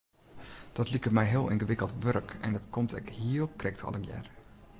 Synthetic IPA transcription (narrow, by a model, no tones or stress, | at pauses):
d̥ɔtlikəmɛjɦɪəlˠɪnɣəʋɪkəlˠtʋørkɛ̰ndɔtkʰɔmtʰɛ̰khiəkrɛk̚tʰɔ̰lˠənjɛ̰r